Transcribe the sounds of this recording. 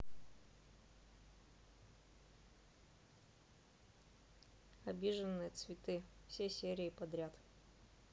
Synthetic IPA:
ɐbʲiʐənːɨjət̪svʲɪt̪ɨfsʲesʲeɾʲɪːpɐd̪ɾʲat̪

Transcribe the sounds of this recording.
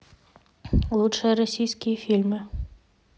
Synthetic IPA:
lˠut̪ʂəɾɐsʲijskʲijfʲilʲmʲɪ

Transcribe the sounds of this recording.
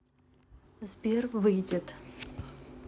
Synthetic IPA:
zbʲervɨjdʲɪt̪

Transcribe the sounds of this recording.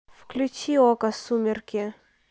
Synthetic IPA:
fklʲut͡ɕiɔkɐsumʲɪrkʲɪ

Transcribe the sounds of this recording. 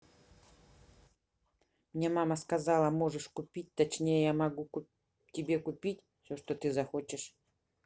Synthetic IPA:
mnʲemaməskɐzɑlˠəmo̞ʐɨʂkʊpʲit̚ʲt̪ɐt͡ɕnʲejəjamɐɡu | tʲɪbʲe̞kʊpʲitʲfsʲoʂt̪ot̪ɨzɐxo̞t͡ɕɪʂ

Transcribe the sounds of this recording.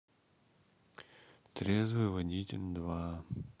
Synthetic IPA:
t̪ɾʲezvɨvɐdʲitʲnd̪va

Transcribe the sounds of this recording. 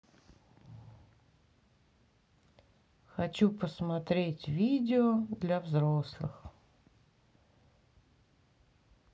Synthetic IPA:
xɐt͡ɕupəsmɐt̪ɾʲetʲvʲidʲɪɔd̪lʲɐvzɾoslˠɨ̰x

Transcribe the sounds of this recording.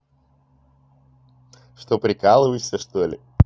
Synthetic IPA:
ʂt̪opɾʲɪkalˠɨvəsʲəʂt̪olʲɪ̰

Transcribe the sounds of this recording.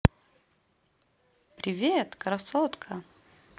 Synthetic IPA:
pɾʲɪvʲet̪kɾɐsɔt̪kʰə

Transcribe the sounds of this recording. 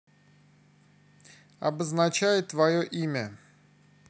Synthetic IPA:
ɐ̰bəznat͡ɕajɪt̪ːvajoʔimʲə

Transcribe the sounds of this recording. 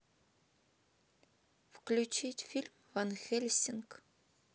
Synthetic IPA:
fklʲut͡ʃʰitʲfʲilʲmvanxʲelʲsʲɪnk

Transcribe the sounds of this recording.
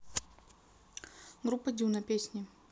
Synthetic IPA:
ɡɾupːəd̪ʲunɐpʲesʲnʲɪ

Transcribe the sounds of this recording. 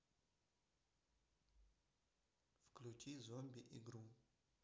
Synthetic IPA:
fklʲutʲizomʲbʲɪʔiɡɾu

